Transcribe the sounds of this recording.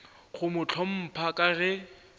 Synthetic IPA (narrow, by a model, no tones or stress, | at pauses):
χʊmʊt͡ɬʰɔm̩pʰakʼaɣɛ